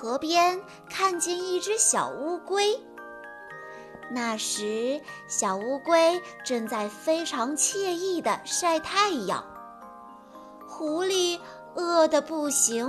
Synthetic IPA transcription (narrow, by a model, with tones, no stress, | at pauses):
xɤ˧˥pjɛ˥n | kʰa˥˧nt͡ɕɛ˥˧ni˥˩ʈ͡ʂɻ̩˥ɕjɑ̰˨˩ʊu˥kwe˥ɪ | na˥˩ʂɻ̩˧˥ | ɕjɑ˨˩ʊu˥kwe˥ɪ | ʈ͡ʂɤ˥˧ŋt͡sa˥˩ɪfe˥ɪʈ͡ʂʰɑ˧˥ŋt͡ɕʰjɛ˥˧i˥˩d̪ə˩ʂa˥˧ɪt̪ʰa˥˩ɪ˧jɑ̰˨˩˦ŋ | xu˧˥li˥˩ | ɤ˥˩d̪ə˩pu˥˩ɕi˧˥